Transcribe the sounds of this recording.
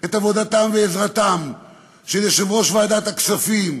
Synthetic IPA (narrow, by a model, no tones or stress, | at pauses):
et̪avo̞d̪at̪amveezʁat̪am | ʃejeʃemʁo̞ʃvaːd̪at̪aksafim